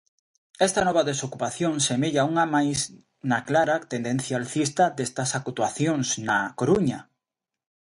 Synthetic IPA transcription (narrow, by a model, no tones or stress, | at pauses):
ɛst̪ɐnɔβaðesokupaθjoŋsemeʎauŋamajs | naklaɾat̪end̪en̟θjalθist̪ad̪est̪ɐsakut̪waθjoŋsnakoɾuɲɐ